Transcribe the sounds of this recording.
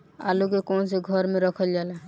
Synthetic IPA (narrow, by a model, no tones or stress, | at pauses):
a̰lukekɔnseɡʱɔɾmeɾɔkʰɔld͡ʒala